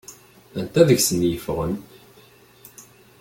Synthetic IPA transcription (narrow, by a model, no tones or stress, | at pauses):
ænt̪æðəçsənːjəfʁən